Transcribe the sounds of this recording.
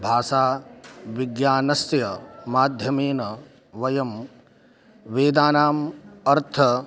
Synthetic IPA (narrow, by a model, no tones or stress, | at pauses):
bʱaːʂaːʋiɡjaːnɐsjɐmaːd̪ʱjɐmeːnɐ | ʋɐjɐm | ʋeːd̪aːnaːmɐɾt̪ʰɐ